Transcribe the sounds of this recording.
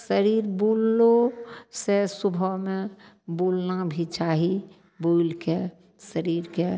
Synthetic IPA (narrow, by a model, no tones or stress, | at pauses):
səɾiːɾbuːllosesʊbʱəmẽ | buːlnabʱit͡ʃaːɦi | buːlke | səɾiːɾke